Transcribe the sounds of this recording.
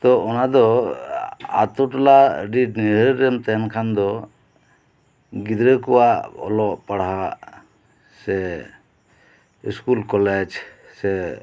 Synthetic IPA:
t̪ɔɔnad̪ɔ | a̰t̪uʈlaɖiniɾəɾɛmt̪ɛnkʰand̪ɔ | ɡid̪ɾəkɔwaʔɔ̰lɔʔpaɽɦa | sɛ | iskulkɔlɛd͡ʒ | sɛ

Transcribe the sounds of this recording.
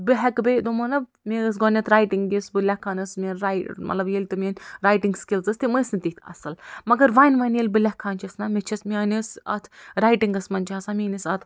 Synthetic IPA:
bɨɦɐkbed̪omɐnɐb | mʲeɐs̬ɡoːnʲɐt̪ʰɾaːjʈiŋɡjisbɨlʲɐkʰːaːnɐsmʲenɾamɐ̰lɐbjelʲt̪ɨmʲenʲɾaːjʈiŋɡskilzɐsʲt̪iməsnt̪it̪ʰɐ̰sɐlmɐɡɐɾʋaːnʋɐnjelʲbɨlʲɐkʰːaːnt͡ʃʰɐsnamʲet͡ʃʰɐsmʲiɐːnisɐ̰t̪ʰɾaːjʈiŋɡɐsmɐnt͡ʃʰaːsamʲenɐsɐt̪ʰ

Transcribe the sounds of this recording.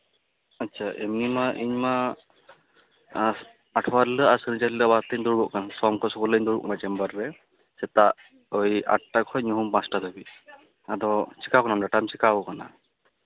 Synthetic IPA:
atːt͡ʃʰaʔemnimaʔiɲma | aʈʰwaɾlɯasɯnit͡ʃalilɔbat̪əɲd̪uɾbɔʔkanasɔmkʰɔsɔkɔləɲd̪uɾbɔ̰ʔkanat͡ʃɛmbaɾːɛ | sɛt̪aʔ | ɔja̰ʈʈakʰɔjɲuɦumpãsʈat̪ʰɔbi | ad̪ɔsi̥kawknamdaʈamsikabɔkana̰

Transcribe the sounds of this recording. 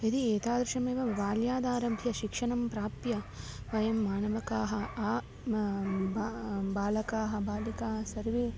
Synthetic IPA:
id̪ieːt̪aːd̪ɾɐʃɐmeːʋɐʋaːljaːd̪aːɾɐmbʱjɐʃikʂɐɳɐmpɾaːpjɐ | ʋɐjɐmːaːnɐʋɐkaːɦɐː | bbaːlɐkaːɦɐbaːlikaːɦɐsɐɾʋi

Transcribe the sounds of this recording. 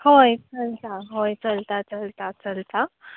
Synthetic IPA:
hojt͡səlt̪aɦojt͡səlt̪at͡səlt̪at͡səlt̪a

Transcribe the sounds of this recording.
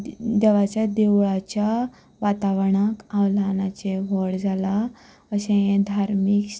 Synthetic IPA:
d̪eʋat͡ɕjad̪eʋɭat͡ɕja | ʋat̪aʋɳakãwlanat͡ɕeʋɔɽd͡zʱala | əɕẽjẽd̪ʱaɾmik

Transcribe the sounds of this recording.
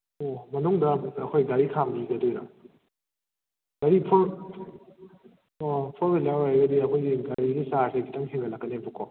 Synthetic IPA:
omɐnuŋdɐɐkʰojɡaɾikʰamiɡɐdojɾa̰ | ɡ̥aɾipʰɔɾ | ɔpʰɔɾbelawaaɡɐdiɐkʰojɡiɡaɾiɡisaɾsekʰitaŋheŋalakːɐnebɔkʰɔ

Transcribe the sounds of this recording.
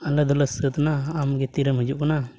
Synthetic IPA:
alad̪ɔlasət̪naːmɡɛt̪iɾəmɦəd͡ʒuʔkana

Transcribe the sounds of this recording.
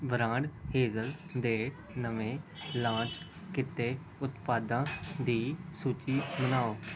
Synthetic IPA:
bəɾãːɳɖheːzəld̪eː | nəʋẽːlãːt͡ʃ | kɪt̪eː | ʊt̪paːd̪ãːd̪iːsuːt͡ʃiːmənaːoː

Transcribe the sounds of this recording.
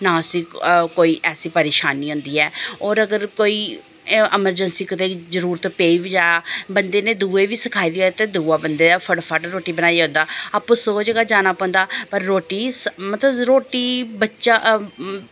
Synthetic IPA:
nãːsiːkoːiːʔɛːsiːpəɾeːʃaːniːɦʊ̃ːnd̪iːɛːɔːɾəɡəɾkoːiː | ɪməɾd͡ʒənsiːkət̪eːzəɾuːɾt̪peːiːʋid͡ʒaːjaːbənd̪eːneːd̪uːeːʋiːsəkʰaːiːd̪iːot̪eːd̪uːaːbənd̪eːd̪afʰəɽfʰaːʈɾoːʈiːbənaːiːõːnd̪aːaːpːõːsoːd͡ʒɡaːd͡ʒaːnaːpɔ̃ːnd̪aːpəɾːoːʈiːsmət̪ləbɾoːʈiːbətːʃaː

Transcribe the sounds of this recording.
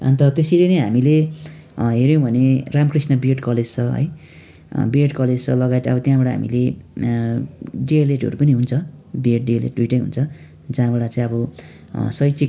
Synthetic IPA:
ʌ̰nt̪ʌt̪esilenʌjɦamile | ɦeɾjõbʱʌneramkrisnʌbieʈkʌled͡zt͡sʰʌɦʌ̰j | bieʈkʌled͡zt͡sʰʌlʌɡajt̪ʌ̰bʌt̪jãbʌɽaɦa̰mḭle | ɖieleʈɦʌ̰ɾupʌniɦunt͡sʰʌ | bieʈ̚ɖielḛʈujʈʌj̃ɦṵnt͡sʰʌ | d͡zãbʌɽat͡sãĩʌbʌ | sʌjt͡sik

